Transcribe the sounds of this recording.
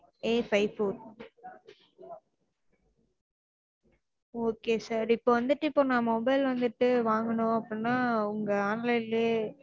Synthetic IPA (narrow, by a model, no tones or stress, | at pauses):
eːfɐɪfoːɾ | oːkeːsaːɾɪpːoːʋɐnd̪ɯʈːɯɪpːoːnãːmɔbɐɪlʋɐnd̪ɯʈːɯʋaːŋɡɐɳʊ̃ɐpːɯɽinːaːʊŋɡɐaːnlɐɪleː